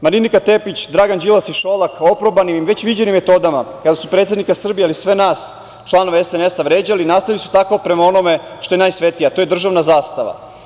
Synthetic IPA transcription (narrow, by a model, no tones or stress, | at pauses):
maɾinikat̪e̞pit͡ɕd̪ɾaɡand͡ʑilasiʃolako̞pɾobanimmʋe̞t͡ɕʋid͡ʑe̞nimːet̪o̞d̪amakad̪asupɾet̪ed̪nikasr̩bijealisʋe̞naːs | t͡ʃlˠano̞ʋeesene̞saʋɾe̞ːd͡ʑalinast̪aʋilisu̥t̪ako̞pɾe̞mao̞no̞me̞ | ʃt̪o̞jenajsʋe̞t̪ijat̪o̞jed̪r̩ʒaʋnazaːst̪aʋa̰